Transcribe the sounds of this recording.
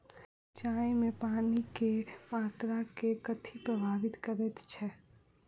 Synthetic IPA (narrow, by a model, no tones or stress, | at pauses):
t͡ʃaːẽmẽpaːnikemaːt̪ɾakekət̪ʰipɾəbʱaːʋɪt̪kəɾet̪t͡ʃʰɛː